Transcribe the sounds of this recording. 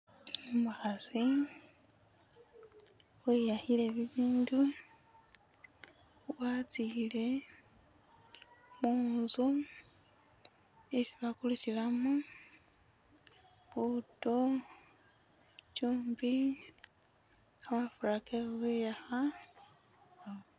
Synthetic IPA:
umuxazi | wejahile̞βiβiːndu | βwat͡sile̞ | muːzu | esiβakulucilamu | βuto | cuːmbi | aβafuɾakeuβejaxa

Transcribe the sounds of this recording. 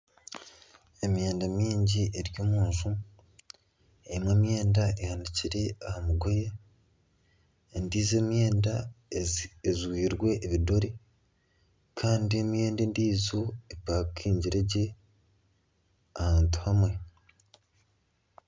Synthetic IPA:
e̞mje̞ːndamiːɲɟiʔeɾjoːmuːnzu | eimwe̞ːmje̞ːndaʔehandiciɾe̞ahamuɡo̞je | ndiːze̞ːmje̞ːnda | ezwiːɾwe̞ʔːβido̞ɾe | kʰaːndie̞mje̞ːndendiːzo̞epaːkkʰːiːɲɟiɾeɟe̞ | ahaːntu̥hamwe̞

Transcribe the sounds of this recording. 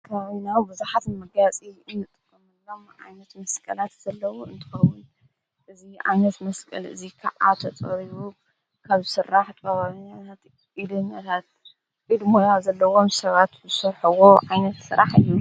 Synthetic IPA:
kʰɐβaβinawbɨzuħat̪mɐɡat͡sʼiɨnːɨt̪ʼɨkʼːɨmɨlːo̞mʕa̰jnɐt̪mɐskʼɐlat̪z̥ɐlːɐwuɨnt̪ʰɨ̥xɐwʊn | ʔɨziʕa̰jnɐt̪mɐskʼɐlɨ̰zikʰa̰ʔʔa̰t̪ʰɐt͡sʼɐ̰ɾiβu | kʰaβzɨsɨɾːaħt̪ʼɐβaβiɲːat̪ʰat̪ | ʔid̪ɨɲːat̪ʰat̪̚ | kʼid̪mojazɐlːɐwo̞msɐβat̪zɨsɐɾħɨwo̞ʕajnɐt̪sɨɾaħɨ̰jːu

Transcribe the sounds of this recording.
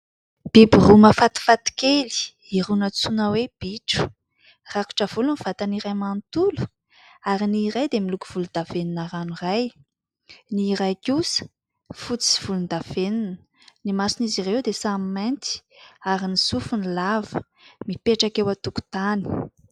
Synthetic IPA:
b̥ibiruməfat̪i̥fat̪i̥keli̥ | iɾunət͡sunəweb̥iʈ͡ʂu̥ | raku̥ʈ͡ʂəv̥uluniv̥at̪aniɾajmant̪ulu̥ | aɾiniːɾajd̪emilukuv̥ulund̪aveninaɾanuraj | niːɾajkusə̥ | fut͡si̥iv̥ulund̪av̥enunə̥ | nimasinizirewd̪esammant̪i̥aɾinisufunilavə | mipeʈ͡ʂakewat̪uku̥t̪ani̥

